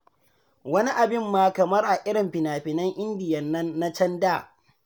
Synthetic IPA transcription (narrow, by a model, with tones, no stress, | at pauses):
wɐ˦ni˦ʔa˨bɪ˦mːaː˦kɐ˨mɐ˦rʔa˨ʔɪ˦ɽɪ˨mɸɪ˨naː˨ɸɪ˨nɐ˦ŋʔɪ˦ndɪ˨jɐ˨nːɐ˦nːa˦t͡ʃɐ˦ndaː˦˨